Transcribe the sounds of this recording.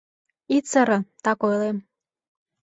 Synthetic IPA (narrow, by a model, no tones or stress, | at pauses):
it͡səɾɤ̆t̪ɑkojlem